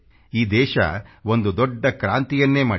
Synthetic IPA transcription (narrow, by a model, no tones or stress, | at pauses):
iːd̪ɛːʃɐ̰o̞nd̪ud̪ɔɖːɐkɾaːnt̪ijɐnːe̞ːmaː